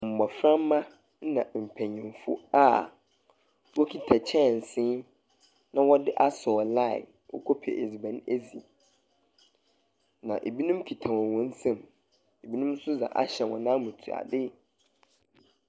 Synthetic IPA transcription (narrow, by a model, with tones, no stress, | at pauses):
m̩˨mɔ˨fɾã˦mː˦ã˦ | n̩˦nã˨m̩˨pʰɛ̃˨ɲĩ˨m˨fʊ̰˦a˦˨ | wɔ˦kʰi˨tʰa˨t͡ɕʰɛ˦˨n̩˨sɪ̃˦ | nã˦wɔ˦dɪ˦ʔa˦sɔ˨la˦˨ɪ̰˨ | wʔɔ̰˦kʰɔ˦pʰḛ˨ʔe˨zbɛ̃˨˦ne˦zi˨ | nã̰˨ʔe˨bi˦nũ˦mkʰi˨tʰã˨wɔ̃˨wɔ̃˨n̩˦sã˦˨m | e˨bi˦nũ˦msʊ˦zã̰˨ʔa̰˦ɕɛ˨wɔ̰̃˨nãː˦mũ˨tʰu˨a̰˨dɪ˦